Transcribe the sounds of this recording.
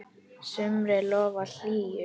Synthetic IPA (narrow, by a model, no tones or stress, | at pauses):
sʏmɾɪlɔːval̥iːjʏ